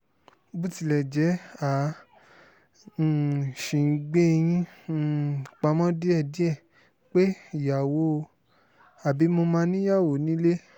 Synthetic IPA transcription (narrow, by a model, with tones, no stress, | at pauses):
bu˦ti˧˨lɛ˨d͡ʒɛ˨˦a˨ | ʃĩ˨˦ɡ͡be˦˧j̃ĩ˦˨ | k͡pa˧˦mɔ̃˦di˦ɛ˧˨di˦ɛ˦˨ | k͡pe˦˨ja˨wo˨˦˧ | a˨bi˨˦mo˧mã˧nĩ˦ja˦˨wo˨˦nĩ˨˦le˦